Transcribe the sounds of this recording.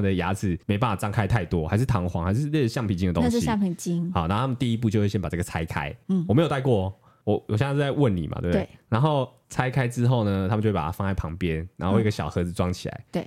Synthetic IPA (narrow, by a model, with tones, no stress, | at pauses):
ə˨nd̪ə˨˩ja̰˧˥d͡zɹ̩˨˩me˧˥ɪpa˥˩a˨˩t͡sɑ˥ŋkʰa˥ɪt̪ʰa˥˩ɪt̪wɔ˦xa˧˥ɪʂ̬ɻ̩˥˩t̪ʰɑ˧˥ŋxwɑ˧˥ŋha˧˥ɪʂ̬ɻ̩˥˧lə˥˧˦ɕjɑ˥˧ŋpʰi˨˩t͡ɕi˥ŋd̪ə˨˩o˥ŋʂija˥˨ŋpʰi˨˩ŋt͡ɕi˥ŋɑ˨˩na˧˥o˥˨a˥mə˨nt̪i˥˧i˦˥p̬u˧t͡ɕjo˥˧ʊwe˥˩jɛ˥npa˨˩ʈ͡ʂə˥˩ɡə˨˩t͡sʰa˥ɪkʰa̰˥ɪ˥˩ɔ˨me˧˥jo˨˩t̪kwɔ˥˩ | wɔ˨˦ɔ˨˩ɕ̬a˥˧ɪwə˥˩nnḭ˨˩ma̰˩t̪we˥˩na˧˥nxo˥˩ʊ | t͡sʰa˥ɪkʰa˥ɪʈ͡ʂɻ̩˦˥xo˥˩ʊnə˩t̪ʰa˥mə˨t͡ɕo˥˧wpa˨˩a˥˧ɑ˥˧ŋa˥˩ɪpʰɑ˧˥ŋpjɛ˦nna˧˥˦no˧˥˧ɡə˧˩ɕjɑ˨˩ʊxɤ˧˥d͡zɹ̩˨˧ʈ͡ʂwɑ˥ŋt͡ɕʰi˨la̰˧˦ɪe˥˩